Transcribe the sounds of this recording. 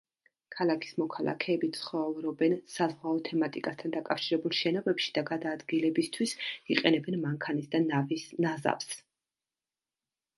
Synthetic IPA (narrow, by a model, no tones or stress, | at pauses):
kʰalˠakʰi̥smɔkʰalˠa̰kʰɛːbit̪sʰχɔvɾɔbɛnsazʁwaɔt̪ʰɛmat̪ʼikʼast̪ʰand̪akʼafʃiɾɛbulˠʃɛnɔbɛpʃi̥d̪aɡad̪aːd̪ɡilɛbist̪ʰwisiqʼɛnɛbɛnmaŋkʰanisd̪anavinaza̰ps